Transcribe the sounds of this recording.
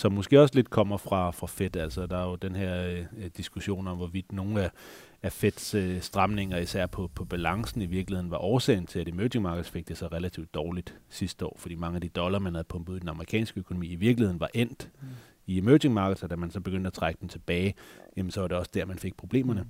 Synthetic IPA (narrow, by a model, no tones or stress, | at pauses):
sɒ̽mːo̽sɡ̥e̝̰ːɒ̽sle̝d̥̚kʰɒ̽m̰ɐfʁɑ̈fʁɑ̈fed̥æl̰sɐd̥ɑ̈jo̝d̥enɦeɐ̰d̥isɡ̥uɕo̝̰ːnɒ̽mʋɒʋid̥no̝ːn̩æ | æfed̥ssd̥ʁɑ̈mne̝ŋɐisæɐ̰pʰɒ̽pʰɒ̽b̥ælɑ̈ŋsn̩iʋiɐɡ̥lihe̝ðˠn̩ʋɑ̈ʔɒːsɛ̰ːɪnt͡sʰe̝læɾ̥emøʊt͡sʰe̝ŋmɑ̈ːɡ̥ðˠsfe̝ɡ̥̚d̥e̝sɑʁelæt͡sʰḭʊd̥ːɒːlid̥sisd̥əɒ̰ːfɒd̥ḭːmɑ̈ŋəæd̥id̥ɒ̽lɐmænhæð̩ˠpʰɔ̽mbuð̩ˠd̥enɑ̈məʁikʰɛ̰ːnsɡ̥əøkʰonomḭːiʋiɐɡ̥lihe̝ðˠn̩ʋɑ̈ʔen̰d̥ | iemøːde̝ŋmɑ̈ːɡ̥ð̩ˠsɒ̽d̥æmænsɒ̽b̥eɡ̥ønd̥æt͡sʰʁaɡ̥əd̥ent͡sʰe̝b̥ɛːɪjemn̩sɒʋɑ̈ɾe̝ɒ̽sd̥æɐ̰mænfe̝ɡ̥̚pʰʁo̝b̥le̝̰ːmɐnə